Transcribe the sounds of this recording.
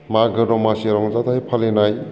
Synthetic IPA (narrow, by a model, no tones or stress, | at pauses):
maɡɯɾɔmaseɾɔŋzat̪ʰajpʰalenaj